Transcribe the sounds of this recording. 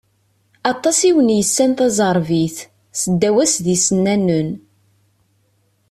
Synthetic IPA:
ɑt̪ˤːɑsiwənjəsːænθɑzˤəɾˤviθ | səd̪ːæwæsðisənːænːən

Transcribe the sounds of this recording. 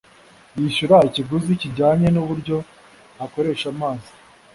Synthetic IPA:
jiʃuɾaiciɡuziciɟaːɲenuβuɾɟo̞ | ako̞ɾe̞ːʃamaːzi̥

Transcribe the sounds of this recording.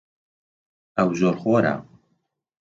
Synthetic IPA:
ɐwzoːɾxoːɾa̰

